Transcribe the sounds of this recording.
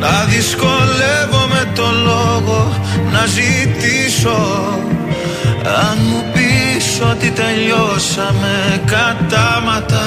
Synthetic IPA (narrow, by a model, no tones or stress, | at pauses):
nɐðiskolevomet̪oloɣo | nɐzit̪iso | amupisot̪it̪eʎosɐmekat̪amɐt̪ɐ